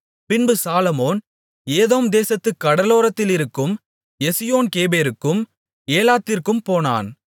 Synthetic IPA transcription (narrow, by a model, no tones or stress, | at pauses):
pɪnbɯsaːlɐmoːn | eːðoːmd̪eːsɐt̪ːɯkːɐɽɐloːɾɐt̪ːɪlɪɾɯkːɯm | jɛsɪjoːnkeːbeːɾɯkːɯm | eːlaːt̪ːɪrkɯmpoːna̰ːn